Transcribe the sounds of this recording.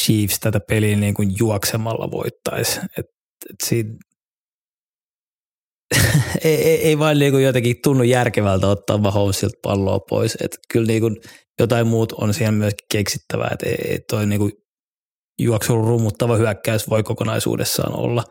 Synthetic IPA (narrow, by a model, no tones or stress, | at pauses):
ʃiːfst̪æt̪æpeliːniːŋkunjuɑksemɑlːɑ̰ʋo̰it̪ːɑiset̪ | et̪siːn | eieieiʋɑinniːŋkujot̪ekit̪unːujjærkeʋælt̪æot̪ːɑ̰ːʋmɑhoːmsilt̪̚pɑ̰lːo̰ːpʰo̰isḛt̪kylniːkunjot̪ɑimmuːt̪o̰nsiːhemmyøski̥keksit̪ːæʋæ̰ḛt̪ḛiḛit̪oiniːku | juɑksuolːurumːut̪ːɑʋɑhyækːæysʋoikokonɑisṵːdḛsːɑ̰ːno̰lːɑ